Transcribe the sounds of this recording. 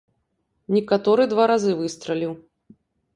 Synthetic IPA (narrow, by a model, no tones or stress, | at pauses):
nʲɛkat̪ɔɾɨd̪vaɾazɨvɨst̪ɾɐlʲiw